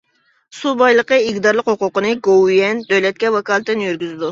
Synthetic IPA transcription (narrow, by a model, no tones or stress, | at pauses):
subɑjlˠəqəɪkʲd̪ɑɾlˠəqhoqʊqənɨɡowjɛnd̪øwlɛt̪̚kʲɛvɑkɑːlˠt̪d̪ɨnjyɾɡʲyzɪd̪u